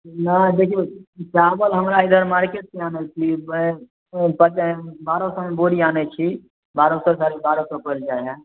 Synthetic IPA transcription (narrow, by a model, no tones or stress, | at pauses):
nəd̪eːkʰiet͡ʃaːbəlɦɐmɾaɪd̪əɾmaːɾkeːʈ̚seaːnet͡ʃʰib | pət͡ʃbaːɾõsəmẽboːɾiaːnet͡ʃʰi | baːɾõsɔsaːɾebaːɾõsɔpəld͡ʒaːeɦɛ̃